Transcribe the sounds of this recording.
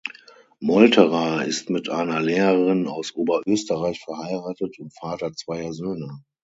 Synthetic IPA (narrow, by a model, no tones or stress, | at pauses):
mɔltʰəʁaɪ̰stmɪtʔa̰ɪnɐlɛːʁəəʁɪnaʊsʔoːbɐʔøːstəʁaɪçfɛɐhaɪʁaːtətʰʊntfaːtɐt͡sv̥aɪɐzøːnə